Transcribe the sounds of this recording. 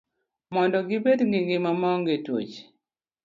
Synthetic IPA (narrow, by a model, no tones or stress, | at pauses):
mɔndɔɡɪbedŋɡiŋɡɪmamɔŋɡetwo̰t͡ʃ